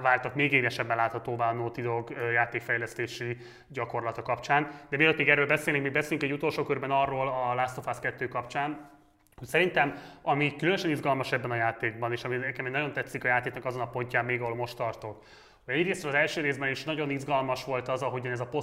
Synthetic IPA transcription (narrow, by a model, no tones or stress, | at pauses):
vaːrt̪ɒkmeːɡeːɾɛʃɛbːɛlaːt̪hɒt̪oːbaːɒnoːt̪id̪o̞ɡøjaːt̪eːkfɛjlɛst̪eːʃi | ɟɒko̞rlɒt̪ɒkɒpt͡ʃaːnd̪̥ɛmiløt̪meːɡɛːɾːøːlbɛseːlnikmiːɡbɛseːlyŋkɛɟːut̪o̞lʃoːkørbɛnɒrːoːlɒlast̪o̞faskɛt̪ːøːkɒpt͡ʃaːn | hocsɛɾint̪ɛmɒmikylønøʃɛnizɡɒlmɒʃɛbːɛnɒjaːt̪eːɡ̚bɒneːʃɒmiɛkɛmɛnɒɟo̞nt̪ɛt̪sːikɒjaːt̪eːknɒkɒzo̞nɒpo̞ɲcaːmːeːɡɒɦo̞lmo̞ʃt̪ɒrt̪o̞k | hoɟɛɟreːsrølɒzɛlʃøːɾeːzbɛniʃnɒɟo̞nizɡɒlmɒʃʋo̞lt̪ɒzɒɦo̞ɟɒnɛzɒpo̞